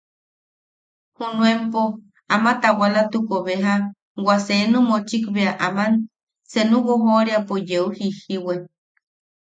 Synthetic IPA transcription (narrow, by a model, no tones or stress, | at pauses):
hunuempo | amat̪awalat̪ukoβeɦa | wasenumot͡ʃikβeaʔaman | t͡senuɣoɦoɾeapojeuhihiwe